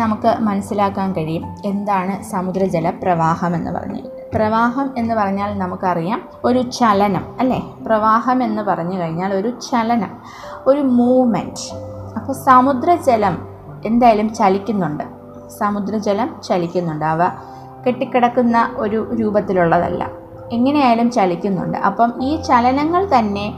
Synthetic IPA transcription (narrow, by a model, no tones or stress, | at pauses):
nɐmukːɨmɐnɐsːilaːkːaːnkɐɻijume̞nd̪aːɳɨsaːmud̪rɐd͡ʑelɐprɐʋaːhɐme̞nːɨ̰pɐ̰rɐ̰ɲːḭ | prɐʋaːɦɐme̞nːɨpɐrɐɲːaːlnɐmukːɨɐrijaːn | o̞ɾut͡ɕɐlɐnɐmɐlːe̞ːprɐʋaːɦɐme̞nːɨpɐrɐɲːukɐɻiɲːaːlo̞ɾut͡ɕɐlɐnɐm | o̞ɾumuːʋmḛnɖɐpːɐːsaːmud̪rɐd͡ʑelɐm | e̞nd̪aːjɐlumt͡ɕɐlikʲːunːuɳɖɨ | saːmud̪ɾɐd͡ʑelɐmt͡ɕɐlikʲːunːuɳɖɨɐʋɐ | keʈːikʲːiɽɐkːunːɐʔo̞ɾuɾuːbɐt̪ːiluɭːɐðɐ̰lːɐ̰ | eŋːɐne̞jaːjɐlumt͡ɕɐlikʲːunːṵɳɖɨ̰ʔɐ̰pːɐmiːt͡ɕɐlɐnɐŋːɐɭt̪ɐnːe̞